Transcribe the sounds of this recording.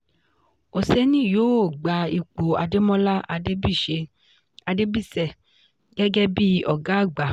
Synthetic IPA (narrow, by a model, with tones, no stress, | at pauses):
o˨sɛ˦nĩ˦˨joː˨˦o˦˨ɡ͡ba˨˧i˨k͡po˨a˧de˦mɔ̃˦la˦ʔa˧de˦bi˦˨ʃe˧ | a˧de˦bi˦˨sɛ˦˨ | ɡɛ˦ɡɛ˦bi˦ɔ˨ɡa˨˦a˦˨ɡ͡ba˨˦